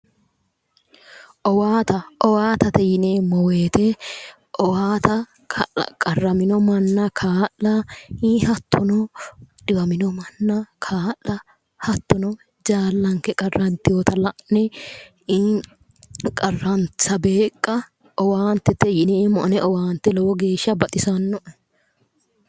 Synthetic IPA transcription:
ʔɔwaːt̪ɐɔwaːt̪ɐt̪ɛjɪneːmɔweːt̪ɛ | ʔɔwaːt̪ɐ̰ | kʼɐrːɐmɪnɔmɐnːɐkʰaːʔːɐihɐt̪ʰːɔnɔᶑɪbɐmɪnɔmɐnːɐkʰaːlːɐ | hɐt̪ːɔnɔ | d͡ʒaːlːɐŋkɛkʼɐrːɐnt̪ːɪjɔːt̪ɐlɐʔnɛ | i | kʼɐrːɐnt͡sɐbe̞ːkʼːɐ | ɔwaːnt̪ːɛt̪ːɛjɪneːmɔʔɐnɛʔɔwaːnt̪ːɛlɔwɔɡe̞ːʃɐbɐt̪ʼɪsɐnːɔʔɐ

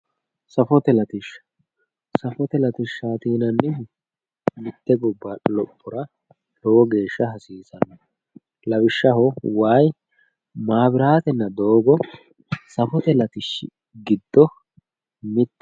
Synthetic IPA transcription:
sɐfɔt̪ɛlɐt̪ɪʃ | sɐfɔt̪ɛlɐt̪ɪʃːaːt̪iːnɐnːɪ | mɪt̪ːɛɡɔbːɐlɔpʼːɔɾɐ | hɔwɔɡe̞ːʃːɐɦɐsiːsɐnɔ | lɐbɪʃːɐɦɔwaːj | maːbɪɾaːt̪ɛnːɐd̪o̞ːɡɔ | sɐfɔt̪ɛlɐt̪ɪʃːɪ̰ | ɡɪd̪ːɔ | mɪt̪ː

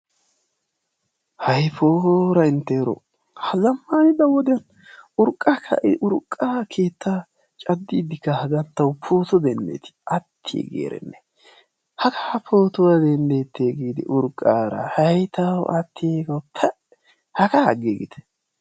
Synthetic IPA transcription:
hɐjfoːɾɐɪnt̪ːeːɾɔ̰ | hɐzɐmːaːnɪd̪ɐwɔd̪ɪjɐn | ʊɾkʼːakʰːɐ̰ʔɪʔʊɾkʼːaːkʰe̞ːt̪ʰːa | t͡ʃʼɐd̪ːiːd̪ɪkːɐhɐɡɐnt̪ːɐwpʰo̞ːt̪ɔd̪ɛnd̪ḛːt̪ɪ̥ʔɐt̪ʰːiɛ̰ɡḛːɾɛ̰nːɛ | hɐkʰapʰoːt̪ɔwad̪ɛnd̪eːt̪ːeːɡiːd̪ɪ̰ʔʊɾkʼːaːɾɐ̰hɐjt̪ɐwʔɐt̪ːɪeɡɐwtʰɐ | hɐkaɐ̰ɡeɡɪ̰t̪ɛ̥

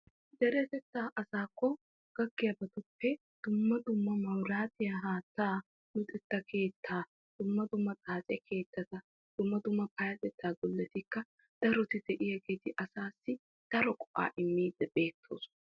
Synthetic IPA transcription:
d̪ɛɾɛt̪ɛt̪ːaʔɐsaːkːɔ | ɡ̥ɐɡːɪjɐbɐt̪ʊpːɛ | d̪̥ʊmːɐd̪ʊmːɐmɐwɾaːt̪ɪjɐɦaːt̪ːaː | nʊt̪ʼɛt̪ːɐkʰe̞ːt̪ʰːaː | d̪̥ʊmːɐd̪ʊmːɐt͡sʼaːt͡sʼɛkʰe̞ːt̪ːɐt̪ɐ | d̪̥ʊmːɐd̪ʊmːɐpɐjɐt̪ɛt̪ːaːɡɔlːɛt̪ɪkːɐ | d̪̥ɐɾɔt̪ɪd̪ɛʔɪjɐɡeːt̪ɪʔɐsaːsːɪ | d̪̥ɐɾɔkʼɔ̥ʔa̰ːʔɪmːiːd̪ɛbe̞ːt̪ʰːo̰ːs

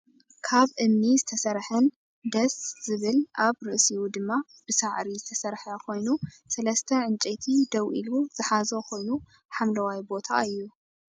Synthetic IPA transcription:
kʰaβʔɨmnizɨt̪ʰɐsɐɾħɐn | d̪ɐsz̥ɨβɨlʔaβɾɨʔsijud̪ɨmːa | b̥ɨsaʕɾizɨt̪ʰɐsɐɾħɐkʰo̞jnu | sɐlɐst̪ʰɐʕɨnt͡ʃʼet̪ʰid̪ɐwʔiluz̥ɨħazokʰo̞jnu | ħamlɐwajbo̞t̪ʰa̰ɨjːu

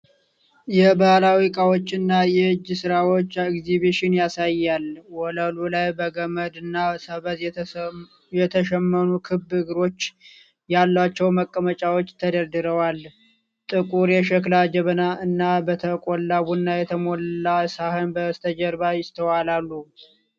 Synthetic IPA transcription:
jɛbahlawikʼawo̞t͡ʃːɨnːajɛhɨd͡ʒːsɨɾawo̞t͡ʃːɪkzibiʃɪnjasajːalwɔləlulajbəɡəməd̪ɨnːasəβəz | jɛt̪ʰəʃɛmːənukʰɨbːhɨɡɾo̞t͡ʃː | jalːat͡ʃːɛwməkʼːəmət͡ʃʼawo̞t͡ʃːt̪ʰəd̪əɾd̪ɨɾəwal | t̪ʼɨkʼuɾjɛʃəklad͡ʒɛβənaɨnːabət̪ʰəkʼolːaβunːajɛt̪ʰəmolasahɨnbəst̪ʰəd͡ʒəɾbajɪst̪ʰəwalalːu

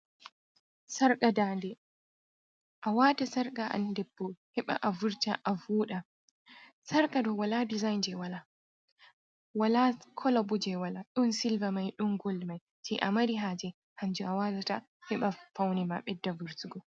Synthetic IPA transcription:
saɾkʼadaːndɛ | ʔawaːtasaɾkʼaʔa̰ndɛbːɔhɛɓa̰ʔavuɾtaʔavuːɗa | saɾkʼadɔwaladizajnd͡ʒɛwala | walakʰɔlabɔd͡ʒɛwalaɗunsilvamajɗunɡɔlmaj | tʰɛʔa̰maɾiɦad͡ʒɛ | hand͡ʒuawatata | hɛɓafawnɛma̰ɓɛdːavuɾtuɡɔ

